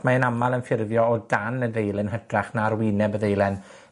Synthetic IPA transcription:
maənamalˠənfɪrðjɔɔdanəðejlˠɛnɦədraχnarwɪnɛbəðejlˠɛn

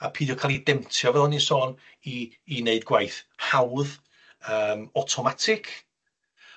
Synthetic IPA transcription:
apʰiːdjɔkʰalˠidɛmtʰjɔvɛlˠɔnisoːn | iː | neɨdɡwajθhawð | əːmɔtʰɔmatʰɪkʰ

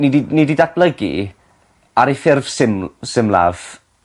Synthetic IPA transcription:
nidinɪdidab̥lˠəɡḭ | aɾefɪrv̥sɪmsɪmlˠa̰v̥

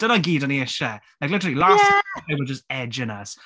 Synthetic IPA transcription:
d̥ənəɡiːdəniɛʃɛlaɪk̬lɪtəɹəlilajsæaɪbəd͡ʒəstɛd͡ʒɪ̃nəs

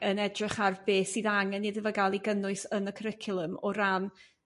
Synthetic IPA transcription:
ənɛdrɪχarbeːθiːðaŋɛnːidəvəɡalˠiɡənʊɨsənəkʰəɾɪkʰʊlˠəmɔɾan

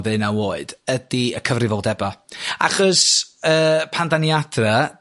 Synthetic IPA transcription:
ðɨnawoːɨd̥ədiəkʰəvrɪvɔlˠdɛbaa̰χɔsəːpʰandanjad̥rə

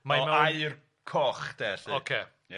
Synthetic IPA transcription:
majmɛajr | kʰɔχd̥eːɬɨokʰe

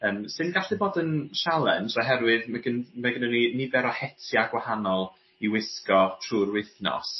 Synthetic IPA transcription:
əːmsɨnɡaɬɨboːdənʃalˠɛnraɦɛɾwɨðmaɡənmaɡənəninɪvɛɾɔhɛtʰjaɡwahanɔlˠ | iwɪskɔtʰruːrwɪθnɔ̰s

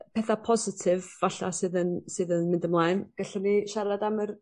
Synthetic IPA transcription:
pʰɛθapʰɔzɪtʰɪvːaɬa̰sɨðənsɨðənmɪndəmlˠajnɡ̥ɛɬɔniʃaɾadamər

